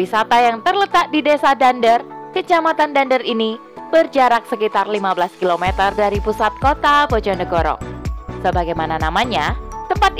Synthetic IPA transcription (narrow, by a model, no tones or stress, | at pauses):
isat̪ajaŋt̪ərlət̪ak̚didesadandərkət͡ʃamat̪andandərini | b̥ərd͡ʒaɾak̚səkit̪arlimabəlaskilomet̪ərdaɾipusat̪̚kot̪apod͡ʒɔnəɡoɾɔ̰səbaɡajmananamaɲat̪əmpat̪̚